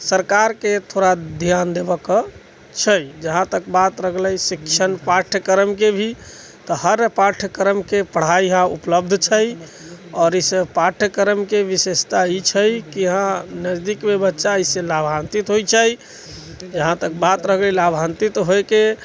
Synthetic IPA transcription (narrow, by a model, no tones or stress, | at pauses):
səɾkaɾket̪ʰoɾad̪ʱjand̪ebəkə | t͡ʃʰəjd͡ʒəɦãt̪ək̚bat̪ɾəkʰləjsikt͡ʃʰənpaʈʰkəɾəmkebʱi | t̪ɔhəɾpaʈʰkəɾəmkepəɽ̤aiɦãṵpləb̚d̪ʱt͡ʃʰəj | ɔːɾisepaʈʰkəɾəmkeʋisest̪ait͡ʃʰəjkiɦãnəd͡ʒd̪ikmebətːʃaisẽlabʱãnt̪it̪ɦojt͡ʃʰəj | d͡ʒəɦãt̪ək̚bat̪ɾəkʰlɛlabʱãnt̪it̪ɦojke